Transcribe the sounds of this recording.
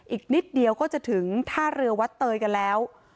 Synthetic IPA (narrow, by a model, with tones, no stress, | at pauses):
ʔiː˨˩k̚ni˦˥t̪̚di˧əwkɔː˥˩t͡ɕa˨˩t̪ʰɯ˩˦ŋt̪ʰaː˥˩ɾɯ˧ɐwa˦˥t̪ːɤː˧jka˧nlɛː˦˥w